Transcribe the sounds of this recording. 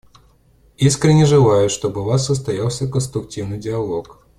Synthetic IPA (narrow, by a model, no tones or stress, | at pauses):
iskɾʲɪnʲːɪʐɨlˠajʊʂt̪o̞bɨvasːəst̪ɐjalˠsʲəkənst̪ɾʊktʲivnɨjdʲɪɐlˠo̞k